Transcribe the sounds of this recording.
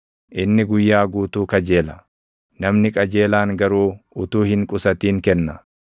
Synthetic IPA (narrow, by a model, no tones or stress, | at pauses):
ʔɪnːɪɡʊjːaːɡuːt̪uːkɐd͡ʒe̞ːlɐ | nɐmnɪkʼɐd͡ʒe̞ːlaːŋɡɐɾuːʊt̪uːhɪŋkʼʊsɐt̪iːŋkɛnːɐ